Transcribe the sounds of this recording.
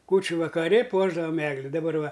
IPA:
ˈkuːt͡ʃʲʊ ʋɐkɐˈrʲɪ ˈpuɔʒdɐʋɐm ˈæːɡlʲɪ dɐˈbɐr ˈʋɐ

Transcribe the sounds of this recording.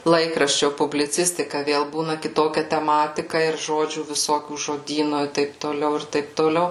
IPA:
ˈlˠɐɪkrɐʃʲt͡ʃʲoː pʊbʲlʲɪˈt͡sʲɪsʲtʲɪkɐ ˈʋʲeːlˠ ˈbuːnɐ kʲɪˈtoːkʲɛ tʲɛˈmɑːtʲɪkɐ ɪr ˈʒoːd͡ʒʲuː ʋʲɪˈsoːkʲuː ʒoːˈdʲiːnoː ɪ ˈtɐɪp toːˈlʲɛʊ ɪr ˈtɐɪp toːˈlʲɛʊ

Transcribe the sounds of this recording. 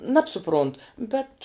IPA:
ˈnɑːpsʊˌproːnt ˈbʲɛt

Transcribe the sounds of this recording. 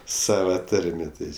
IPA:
ˈsɑːʋɐ ˈtɐrʲmʲeː ˈtɐɪ

